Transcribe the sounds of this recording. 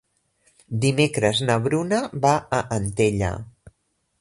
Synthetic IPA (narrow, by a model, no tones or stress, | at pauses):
d̪imekɾəznəβɾunəβaəʔənt̪eʎə̰